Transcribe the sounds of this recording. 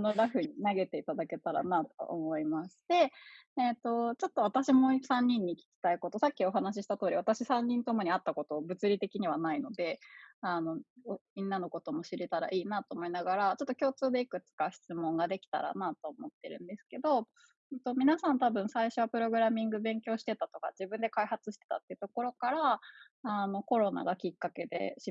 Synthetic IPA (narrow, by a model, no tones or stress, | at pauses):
noɾaɸɯ̟ɲ̟inaɡe̞t̪e̞it̪ad̪ake̞t̪aɾa̰nat̪o̞̰ʔo̰mo̞imaɕi̥t̪e̞ː | t̪o̞t͡ɕo̞t̪ːo̞β̞at̪aɕimo̞sãɲ̟ːĩɲ̟ːiːkʲi̥kʲi̥t̪aiko̞t̪o̞sakʲːio̞ɦanaɕ̬iɕi̥t̪at̪o̞ːɾʲiβat̪aɕisãɲ̟ːĩnt̪o̞mo̞ɲ̟iat̪ːako̞t̪o̞bɯ̟t͡sɨɾʲit̪e̞kʲiɲ̟iβanaino̞d̪e̞ano̞omʲĩnːano̞ko̞t̪o̞mo̞ɕiɾet̪aɾa̰ʔiːnat̪o̞ːmo̞inaɡaɾat͡ɕo̞t̪ːokʲo̞ːt͡sɨːd̪e̞ikɯ̟t͡sɨ̥kaɕi̥t͡sɨmõ̞ŋɡad̪e̞kʲi̥t̪a̰ɾa̰nat̪o̞ːmo̞t̪ːe̞̰ɾɯ̟̰̃nd̪e̞sɨ̥ke̞d̪o̞ | ɯt̪o̞mʲinasãnt̪abɯ̟̃ɰ̃saiɕo̞βapɯ̟ɾo̞ɡɯ̟ɾamʲĩŋɡɯ̟bẽ̞ŋkʲo̞ːɕi̥t̪e̞t̪at̪o̞ka̰d͡ʑibɯ̟̃nd̪e̞kaihat͡sɨɕi̥t̪e̞̥t̪a̰t̪ːeiɯ̟t̪o̞ko̞ɾo̞kaɾaː | no̞ko̞ɾo̞na̰ɡakʲikːake̞d̪e̞̰ɕi